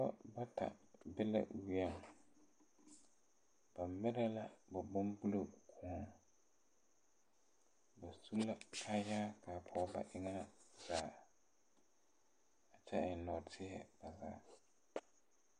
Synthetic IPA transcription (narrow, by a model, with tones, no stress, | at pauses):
kɔ˦ba˦tʰa̰˨bɛ˦la̰˦˨wi˦ɛ˦˨ŋ˨ | b̥a˨mɪ˦ɾɛ˦la˦ba˨bʊ˦mbu˦lo˦kʰʊ˨a˨ | ba˨su˦la˦kʰa˦jaː˦kʰa˨pʰɔ˦ba̰˨ʔɪ˦ŋa˦z̥aː˨˦˨ | a˨t͡ʃɛ˦ɪ˨n˨lɔ˨tʰɪ˦ɛ˦ba˨za̰ː˨˦˨